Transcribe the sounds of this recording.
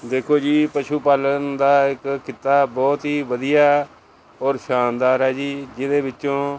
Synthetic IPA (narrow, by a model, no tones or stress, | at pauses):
d̪eːkʰoːd͡ʒiːpəʃuːpaːlənd̪aːɪkːɪt̪ːaːbɔːt̪ɦiːʋəd̪ijaː | ɔːɾʃaːnd̪aːɾɦɛːd͡ʒiːd͡ʒɪd̪eːbɪt͡ʃːʃõː